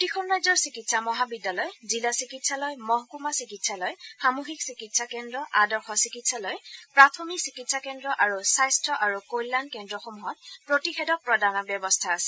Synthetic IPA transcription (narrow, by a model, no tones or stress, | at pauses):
tixʰɔnɹajzɔɹsikitsamɔɦabidalɔjzilasikitsalɔjmɔɦɔkumasikitsalɔjxamuxiksikitsakɛndɹɔʔadɔɹxɔsikitsalɔjpɹatʰɔmiksikitsakɛndɹɔʔaɹusajstʰɹɔʔaɹukojlːankɛndɹɔxomuɦɔt̚pɹotixɛdɔk̚pɹɔdanɔɹbjɔbɔstʰaːsɛ̥